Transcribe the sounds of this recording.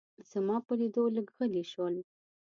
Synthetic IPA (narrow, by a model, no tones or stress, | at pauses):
z̥amɑpəlid̪oləɡɣəliʃwəl